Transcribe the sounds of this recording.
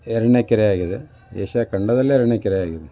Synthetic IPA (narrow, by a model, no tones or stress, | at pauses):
eɾɐɳekʲːɐɾɐjaːɣiðɨ | jḛːɕakɐɳɖɐðɐlːɐeɾɐɳekʲːɐɾɐjaːɣiðɨ